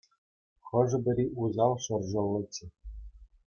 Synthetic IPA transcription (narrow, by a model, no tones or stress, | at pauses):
χɤ̆ʐɤ̆bʲɘ̆ɾʲiʔuzɑlˠʂɤ̆rʑɤ̆lˠːɤ̆t͡ɕːɘ̆